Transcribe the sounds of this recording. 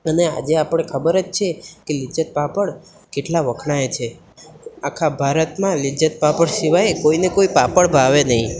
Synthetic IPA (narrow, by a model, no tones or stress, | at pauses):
ənea̰d͡ʒeapəɽ̃ekʰəbəɾet͡ʃt͡ʃʰekelid͡ʒət̪̚papəɽ | keʈlaʋəkʰɳaet͡ʃʰe | akʰabʱaɾət̪mãlid͡ʒət̪̚papəɽsiʋajkoinekoipapəɽbʱaʋenəɦĩ